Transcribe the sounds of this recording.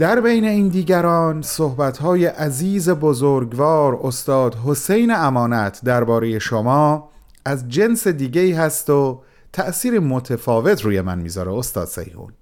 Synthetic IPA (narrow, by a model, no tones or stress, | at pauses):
d̪̥æɾbejne̞iːnd̪iːɟæɾɒːnsohbæt̪ʰhɒːje̞ʔæziːzebozoɾɡvɒːɾost̪ɒːd̪ɦose̞jneæmɒːnæt̪ʰd̪æɾbɒːɾeje̞ʃomɒː | æzd͡ʒe̞nsed̪iːɟe̞iːɦæst̪o̞ | t̪ʰæʔsiːɾimot̪ʰefɒːve̞t̪ʰɾuːje̞mæ̰nmḭːzɒːɾeost̪ɒ̰ːd̪sḛjhṵːn